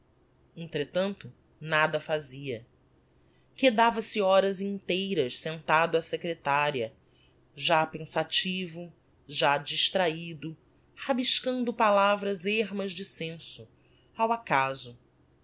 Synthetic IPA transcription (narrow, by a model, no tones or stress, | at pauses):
ẽnt̪ɾet̪ɐ̃nt̪ʊ | nad̪ɐfaziɐ | ked̪avɐsɪɔɾɐzĩnt̪ejɾɐʃsẽnt̪ad̪ʊɐsekɾet̪aɾiɐ | ʒapẽsat͡ʃivʊ | ʒad͡ʒiʃt̪ɾaid̪ʊ | habiʃkɐ̃nd̪ʊpalavɾɐzeɦmɐzd͡ʒɪsẽsʊ | awakazʊ